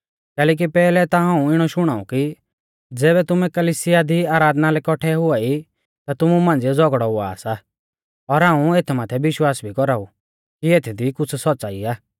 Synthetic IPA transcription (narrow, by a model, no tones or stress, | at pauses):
kɛːlɛːk̬ipɛːlɛt̪aɦãːũɪɽ̃ɔʃʊɽ̃aːṵki | d͡zɛːbɛt̪ʊmɛkɐlisɪjad̪iaːɾaːd̪nalɛkɔʈʰɛɦʊai | t̪at̪ʊmumãːnd͡ziɛd͡zɔɡɽɔʊa̰ːsa | ɔɾɦãːũeːt̪ʰmaːt̪ʰɛʋɪʃwaːsbʱikɔɾaːu | kieːt̪ʰɛd̪ikʊt͡sʰsɔːt͡saːiaː